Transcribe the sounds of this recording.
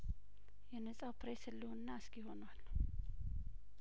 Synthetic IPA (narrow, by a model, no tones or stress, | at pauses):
jɛnəsʼawpɾesɨlːinːaɨskɪho̞nwalː